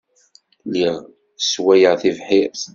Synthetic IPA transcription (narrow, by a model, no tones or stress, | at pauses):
liʁ | swæjəʁθivħiɾ